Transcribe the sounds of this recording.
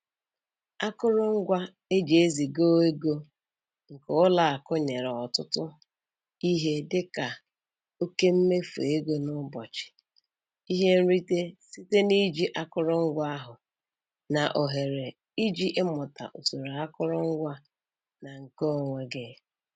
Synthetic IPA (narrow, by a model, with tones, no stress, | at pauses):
a˦kʊ˦ɾʊ˦ŋ̩˦ɡʷa˦ | e˦d͡ʒe˨e˦zi˨ɡo˦e˦ɡo˦ | ŋ̩˨kʊ˨˦ʊ˦la˨a˨kʊ˦ɲe˨ɾɔ˨tʊ˦tʊ˦ | i˦ɦe˦dɪ˦ka˨ | o˦ke˦m̩˦me˦fo̰˨e˦ɡo˦nʊ˦bɔ˨t͡ʃɪ̥˨ | i˦ɦe˦n̩˦ɾi˦te˦si˦te˦ni˦d͡ʒi˦ʔa˦kʊ˦ɾʊ˦ŋ̩˦ɡʷa˦a˦ɦʊ˨ | na˨ʔo˨ɦe˨ɾe˨ | i˦d͡ʒi˦ʔɪ˦mʊ˨ta̰˨ʔo˨so˨ɾa˨a˦kʊ˦ɾʊ˦ŋ̩˦ɡʷa˦ | na˨ŋ̩˨ko˦o˨ŋʷe˦ɡɪ˦